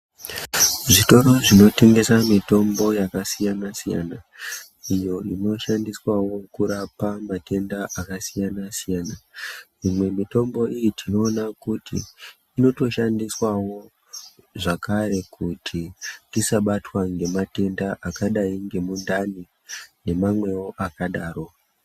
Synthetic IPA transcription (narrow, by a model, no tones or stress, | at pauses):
ʐito̞ɾo̞ʐino̞te̞ŋɡe̞samito̞mbo̞jakasijanasija̰na | ijo̞ino̞ʃandiswawo̞kuɾapamate̞ndaʔakasijanasijana | imwe̞mito̞mbo̞ijitʰino̞ːnakutḭː | no̞to̞ʃandiswawo̞ | ʐakaɾe̞kutʰidisaɓatwaŋɡe̞mate̞ndaʔakaɗaiŋɡe̞mundani | ne̞mamwe̞wo̞ʔakaɗaːro̞